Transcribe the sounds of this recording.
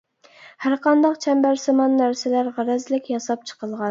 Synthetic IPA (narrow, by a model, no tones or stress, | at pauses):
hæɾqɑnd̪ɑqt͡ʃʰɛmbæɾsɪmɑnːæɾsɪlæɾʁæɾɛzlɪkʲjɑsɑp̚t͡ʃʰə̥qʰəlˠʁɑn